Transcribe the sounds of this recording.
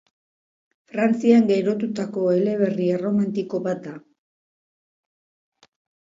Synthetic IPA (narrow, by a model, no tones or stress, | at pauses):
fɾant͡siaŋɡeɾo̞t̪ut̪ako̞e̞le̞β̞eriero̞mant̪iko̞βat̪̚d̪a